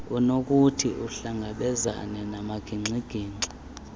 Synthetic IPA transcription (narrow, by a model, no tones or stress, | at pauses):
unok̬ʼutʰiuɬaŋɡʱaɓɛza̰nɛnamaɡ̥ʱiŋ͡ǀʱiɡ̥ʱiːŋ͡ǀi